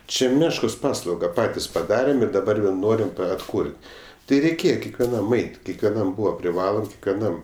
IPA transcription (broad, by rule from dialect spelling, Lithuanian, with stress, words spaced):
ˈt͡ʃʲɛ ˈmʲæːʃkoːs ˈpɑːslˠɐʊɡɐ ˈpɑːtʲɪs pɐˈdɑːrʲeːm ɪr dɐˈbɐr ʋʲeːlˠ ˈnoːrʲɪm ɐtˈkʊrʲtʲ tʲɪ ˈrʲɛɪkʲeːjɛ kʲɛkʋʲɛˈnɐm ˈɐɪtʲ kʲɛkʋʲɛˈnɐm ˈbuːʋɐ pʲrʲɪˈʋɑːlˠoːm kʲɛkʋʲɛˈnɐm